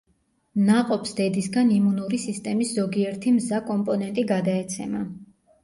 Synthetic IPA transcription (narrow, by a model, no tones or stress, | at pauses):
naqʼɔpsd̪̥ɛd̪isɡanimunuɾisist̪ʼɛmisz̥ɔɡiɛɾt̪ʰimzakʼɔmpʼɔnɛnt̪ʼiɡad̪aɛt̪sʰɛ̰ma